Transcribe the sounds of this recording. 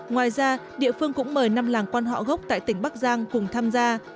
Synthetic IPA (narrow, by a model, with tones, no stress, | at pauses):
ŋwaː˨˩jzaː˧ɗḭ˧˨əfɨ˧əŋkʊ̰˧˥ŋ͡mməː˨˩jna˧mlaː˨˩ŋkwaː˧nɦɔ̰˧˨ɣə˦˥wk͡p̚t̪a̰ː˧˨jt̪ï˧˩ŋ̟ɓa˦˥k̚zaː˧ŋkʊ˨˩ŋ͡mt̪ʰaː˧mzaː˧